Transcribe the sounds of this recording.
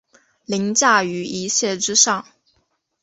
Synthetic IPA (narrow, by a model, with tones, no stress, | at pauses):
li˧˥ŋt͡ɕja˥˩y˧˥i˧˥ɕjɛ˥˩ʈ͡ʂɻ̩˥ʂɑ˥˩ŋ